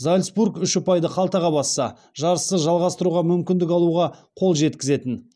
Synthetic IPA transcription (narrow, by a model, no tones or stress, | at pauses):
zalʲsbuɾkʏʃɪpʰɑjd̪əqʰɑlˠt̪ɑʁɑbɑsːɑ | ʒɑɾəsəʒɑlˠʁɑst̪əɾuʁɑmʏmkʲɪnd̪ɪkɑlˠuʁɑqʰo̞lˠʒe̞t̪kʲɪze̞t̪ɪn